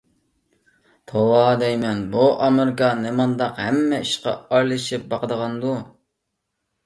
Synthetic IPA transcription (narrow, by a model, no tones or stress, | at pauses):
t̪ʰolˠɑd̪ɛjmɛnbuʔɑmeɾɪkɑnemɑnd̪ɑqhɛmːɛiʃqɑ̰ɑjlˠɨʃip̚bɑqəd̪əʁɑnd̪u